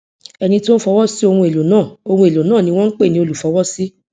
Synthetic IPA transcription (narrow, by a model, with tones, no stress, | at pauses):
ɛ˧nĩ˧ti˦o˦n̩˦fɔ˧wɔ˦si˦o˧hũ˧e˨lo˨nãː˦˨o˧hũ˧e˨lo˨nãː˦˨nĩ˧w̃ɔ̃˦ŋ̩˦k͡pe˦˨nĩ˧o˧lu˨fɔ˧˦wɔ˦si˦